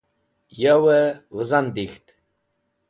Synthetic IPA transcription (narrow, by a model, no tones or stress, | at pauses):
jawɛwəzand̪ixt̪